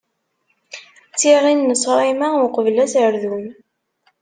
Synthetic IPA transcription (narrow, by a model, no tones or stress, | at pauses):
t͡sːiʁinːəsˤɾˤimaʊqəvlæsəɾðun